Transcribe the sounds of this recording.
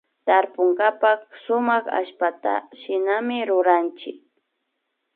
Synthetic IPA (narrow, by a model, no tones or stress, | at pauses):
t̪aɾpʊŋɡapak̚sʊmaχa̰ʃpat̪a̰ʃɪnamɪɾʊɾant͡ʃɪ̰k̚